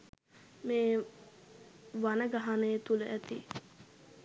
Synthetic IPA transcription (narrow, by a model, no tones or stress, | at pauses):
meː | ʋanəɡaɦanəjət̪uləʔæt̪ḭ